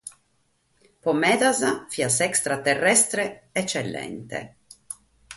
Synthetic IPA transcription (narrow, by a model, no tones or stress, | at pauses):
pomɛd̪azafiasɛkst̪ɾat̪erːɛst̪ɾeɛt͡ʃːelːɛ̰nt̪ḛ